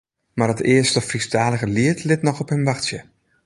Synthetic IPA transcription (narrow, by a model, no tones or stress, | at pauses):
marətɪəstəfrisdaːdəɣəliətʰlɪtnɔxɔphɪmʋaxtsjə